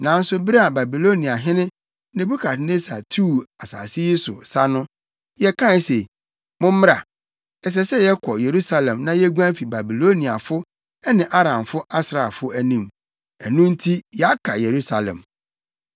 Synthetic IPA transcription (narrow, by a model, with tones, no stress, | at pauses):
nã˨˦n̩˦sʊ˦bi˦ɾa˨ba˨bi˨lo˦nĩ˨a˨ɦɪ̃˦nɪ̃˦ | nẽ˨bu˦kʰa˨tne˦sa̰˨tʰu˦˨a˨sa̰ː˨sɪ˦ji˦sʊ̰˨sa˦nʊ̃˦ | jɛ˦kʰã˦se˨ | mʊ̃˦m˦m˦a˨ | ɛ˨s̬ɛ˦sɛ˦jɛ˦kʰɔ˨je˨ɾu˦sa˦lɛ̃˨mnã˦jɛ˦ɡʷã˦fi˨ba˨bi˨lo˦nĩ˨a˨fʊ˦ | ɛ˦nɪ̃˨ʔa˦ɾã˨mfʊ˦a˦sɾa˨fʊ˦æ˦nĩ˦m | ɛ˨nũ˦n̩˦tʰi˦jɛ˨a˦kʰa̰˨je˨ɾu˦sa˨lɛ̰̃˨m